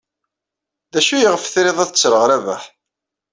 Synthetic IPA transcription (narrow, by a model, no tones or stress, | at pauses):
ðæʃujəʁəfθɾeðˤæðət͡sːɾəʁɾævæħ